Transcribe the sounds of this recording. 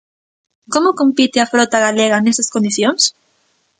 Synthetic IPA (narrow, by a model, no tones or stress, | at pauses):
komʊkompit̪ɪafɾot̪aɣaleɣɐnest̪ɐskõnd̪iθjoŋs